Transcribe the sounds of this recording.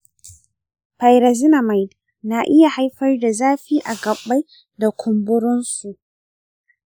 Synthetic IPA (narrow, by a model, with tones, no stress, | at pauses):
pa˨jɾa˨zɪ˦na˨ma˨jd | na˨ʔɪ˦ja˨ha˦jɸɐ˦rda˨zaː˦ɸiː˦ʔa˨ɡɐ˨bːa˦j | da˨kʷʰʊ˨mbʊ˦ɽʊ˦nsu˨ʔ